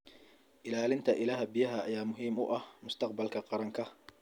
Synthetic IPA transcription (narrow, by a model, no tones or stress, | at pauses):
ʔɪlaːlɪnt̪ʰɐʔɪlaːɦɐbɪjɐɦɐːjaːmʊɦiːmʊ̰ʔɐhmʊst̪ʰɑqbɐlkʰɐqɑɾɐŋkʰɐ